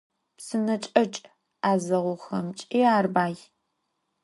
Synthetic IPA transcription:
psɨnɐt͡ʃʼɐt͡ʃʼ | aːzɐʁʷʊxɐ̰mt͡ʃʼiːaːrbaːj

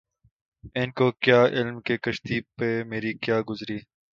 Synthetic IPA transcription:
ɪnkoːkjaːʔɪlmkekəʃt̪iːpeːmeːɾiːkjaːɡʊzɾiː

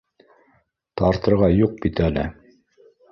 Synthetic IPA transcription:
t̪ɑɾt̪ɤ̆ɾʁɑjuq̚bit̪ælɘ̰

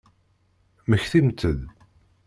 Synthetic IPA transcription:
məçθimt͡sːəð

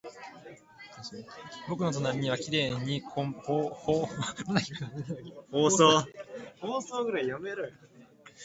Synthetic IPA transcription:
bo̞k̬ɯ̟no̞t̪onamʲiɲ̟iβakʲiɾe̞ːɲ̟ːikʰooːhoːɾnai | hoːsoːhoːsoːɡɯ̟ɾaijameɾɯ

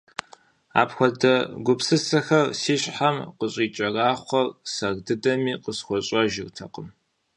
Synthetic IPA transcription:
a̰ːpxʷɔdɐɡʷʊpsɨsɐxɐrsiːɕʼħamqəɕʼiːt͡ʃʼɐraːχʷɔrsɐɣdɨdɐmiːqəsxʷɔɕʼɐʒɪrtʰɐ̰qəm

